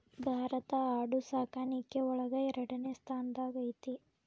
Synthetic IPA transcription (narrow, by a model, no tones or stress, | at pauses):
bʱaːɾɐt̪ɐaːɽusaːkaːnikːeɔɭɐɡɐɛɾɐɽɐneːst̪ʰaːnd̪aːɡɐjt̪i